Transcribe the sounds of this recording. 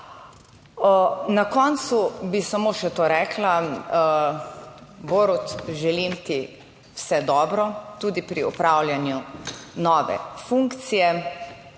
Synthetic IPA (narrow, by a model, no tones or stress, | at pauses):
nakɔnt̪subisamoːʃɛt̪oːɾɛːkla | boːɾut̪ʒɛlimt̪i | wsɛd̪ɔːbɾɔt̪uːd̪ipɾiɔpɾawlʲjanjunɔːʋɛ̰fuŋkt̪sijɛ